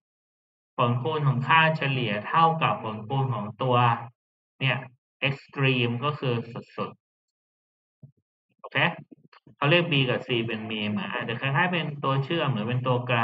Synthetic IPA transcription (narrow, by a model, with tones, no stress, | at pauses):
pʰo˨˩˦nkʰuː˧nkʰɔː˩˦ŋkʰaː˥˩nt͡ɕʰa˧li˨˩˦ɐt̪ʰa˥˩wka˨˩p̚ʰːo˩˦nkʰuː˧nkʰɔː˩˦ŋt̪u˧ɐ | ni˥˩ɐ | ʔe˦˥k̚st̪ɾiː˧mkɔː˥˩kʰɯː˧su˨˩t̪̚su˨˩t̪̚ | ʔoː˧˩kʰeː˦˥ | kʰa˧˥˩wɾi˥˩ək̚biː˧ka˨˩siː˨˩pe˧nmiː˧mɯ˩˦nʔa̰˧˩t̪ɛ˨˩kʰa˧˥˩k̪ʰaː˧˥˩jpe˧nt̪u˧ɐt͡ɕʰɯ˥˩ɐmɯ˩˦npe˧nt̪̬u˧ɐkaː˧